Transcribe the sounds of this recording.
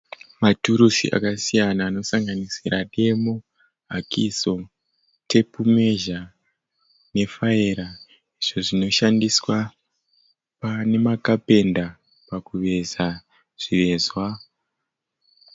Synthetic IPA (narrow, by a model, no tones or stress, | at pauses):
matuɾusḭʔa̰kasijanaːno̞saŋɡanisiɾʔaɗe̞mo | ɦakʰiso̞ | te̞pume̞ʒa | ne̞faiɾa | iʐo̞ʐino̞ʃandiswa | pane̞makape̞nda | pakuʋe̞za | ʐ̥iʋe̞zwa